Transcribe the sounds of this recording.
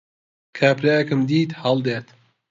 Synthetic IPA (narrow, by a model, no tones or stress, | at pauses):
kʰaːpɾaːjɐkɨmd̪iːt̪hɑlˠd̪eːɾt̪